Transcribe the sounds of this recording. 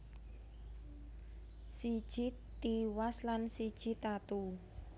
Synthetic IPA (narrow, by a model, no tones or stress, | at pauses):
sid̥ʒ̥i | t̪iwaslansid̥ʒ̥i̤t̪at̪u